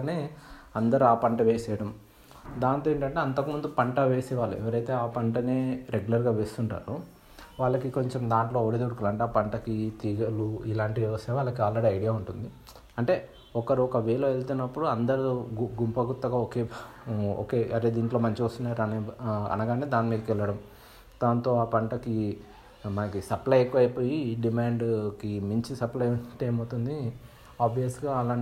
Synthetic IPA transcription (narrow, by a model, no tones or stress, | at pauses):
neːɐnd̪ɐɾuaːpɐɳʈɐʋeːsɛːɽɐm | d̪aːnt̪oeɳʈɐɳʈe̞ːɐnt̪ɐkimund̪upɐɳʈɐʋe̞ːsɛːʋaːɭːuɛ̰ʋɐɾɐjt̪e̞ːaːpɐɳʈɐneːɾeɡulɐɾɡaːʋe̞ːst̪uɳʈa̰ːɾu | ʋaːɭːɐkiko̞ɲt͡ʃemd̪aːɳʈlo̞ːɽid̪uɽuklɐɳʈaːpɐɳʈɐkit̪iːɡɐluilaːɳʈiɛʋɐsɛːʋaːɭːɐkiaːlːɐɽiɐjɽijaːuɳʈund̪i | ɐɳʈe̞ː | ɔkɐɾuɔkɐʋɛːlɐelt̪unːɐpːuɽuɐnd̪ɐɾuɡuɡumpɐɡut̪ːɐɡaːoːkeːo̰ːkeːʔɐʈeːd̪iːɳʈlo̞ːmɐɲt͡ʃiost̪unːaːɾɐnɐ̰nɐɡaːneːd̪aːnːimiːɡ̪ɐkɛlːɐɽɐm | d̪̥aːnt̪o̞ːaːpɐɳʈɐki | mɐnɐkisɐplɐjekːuɐjpo̞ːjiɖimaːɳɖkimiɲt͡ʃisɐplɐjuʈ̪eːmɐwt̪und̪i | aːbijɐsɡaːɐlaːɳ